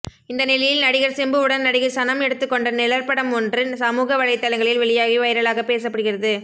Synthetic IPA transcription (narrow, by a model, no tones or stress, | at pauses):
ɪnd̪ɐnɪlɐjɪlnɐɽɪɣɐɾsɪmbɯɯɽɐnnɐɽɪɣɐsɐnɐmɛɽɯt̪ːɯkːɔɳɖɐnɛlɐɾpɐɽɐmɔndrɯnsɐmuːɣɐʋɐɻɐɪt̪ːɐlɐŋɡɐɭɪlʋɛɭɪjaːɣiʋɐjɪɾɐɭaːɣɐpeːs̬ɐpːɐɽɯɣɪrɐðɯ